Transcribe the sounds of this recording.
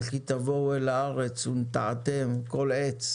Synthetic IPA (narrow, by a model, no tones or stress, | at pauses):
kit̪avo̞welaaʁet͡sunt̪aʕat̪emko̞let͡s